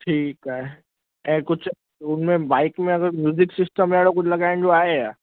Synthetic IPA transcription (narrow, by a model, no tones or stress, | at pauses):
ʈʰiːkaːɦe | ɛ̃ːkʊt͡ʃʰ | ʊnmẽbaːɪkmẽɐɡəɾmjuːzɪksɪsʈəmaːɽokʊt͡ʃʰlɐɡaːɪnd͡ʑoaːɦejaː